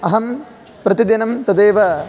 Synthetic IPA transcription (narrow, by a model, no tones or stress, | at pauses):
ɐɦɐm | pɾɐt̪id̪ɐnɐmt̪ɐd̪eːʋɐ